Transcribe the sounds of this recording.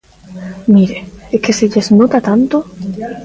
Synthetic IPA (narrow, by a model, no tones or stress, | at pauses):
miɾeekeseʎeznot̪at̪ant̪o